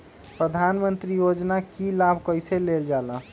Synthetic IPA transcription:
pɾəd̪ʱanmənt̪ɾijod͡ʒnakilabʱkəjseleld͡ʒalə

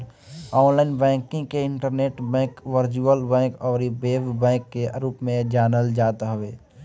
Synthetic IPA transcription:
ɔːnlaːɪnbɛ̃ːkɪ̃ŋɡkeɪɳʈəɾneːʈbɛ̃ːkʋəɾt͡ʃuəlbɛ̃ːkɔːɾibeːbbɛ̃ːkːeɾuːpmẽd͡ʒaːnəld͡ʒaːt̪ɦəʋeː

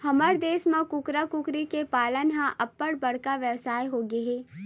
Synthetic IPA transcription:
hɐməɾd̪eːsmãkʊkɾakʊkɾikepaːlənɦãʔʔɐpːəɽbɐɽ̤kaʋjɐʋsaːjɦoɡeɦeː

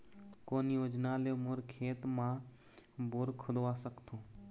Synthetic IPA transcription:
koːnjoːd͡ʒnaːlemoɾkʰeːt̪mã | boɾkʰʊd̪oaːsəkt̪ʰõː

